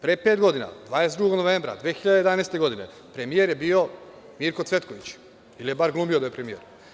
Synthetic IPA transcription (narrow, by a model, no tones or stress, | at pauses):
pɾepeːt̪ɡo̞d̪ina̰d̪ʋaːd̪esed̪ɾuɡoɡnoʋembɾa̰d̪ʋeːxiʎad̪eed̪aːneːst̪e̞ɡo̞d̪ine | pɾemijeɾjebio̞ | miɾko̞t̪sʋe̞t̪koʋit͡ɕ | ilije̞baɾɡlumio̞d̪ajepɾemijḛɾ